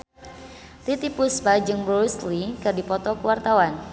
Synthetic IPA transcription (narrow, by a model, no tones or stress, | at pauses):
t̪it̪ipuspad͡ʒɨŋbɾoslikɨrdipɔt̪ɔkuwart̪awan